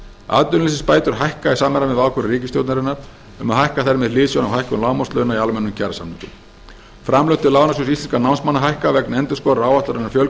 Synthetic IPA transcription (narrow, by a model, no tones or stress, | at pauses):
a̰ːt̪ʏnlɪsɪspaːjt̪ʏɾ̥ɦajhkaɛsaːmɛɾamɛðvaːwkʏɾriːcɪst̪jowt̪naɾɪnaɾ̥ | ʏmaðhajhkaθɛɾmɪðlɪːðsjɔwnawɦajhkʏnlaːwmɔst̪lœðnaialmɛnːʏmcʰɛɾsa̰mnɪt̪ʏ̰m | fɾamlœwht̪ɪlaːwnasjuws̬ist̪inskanawnsmanːaɦajhkavɛknɛnt̪ʏskɔɾaːwvat̪aɾɛnːaɾfjœl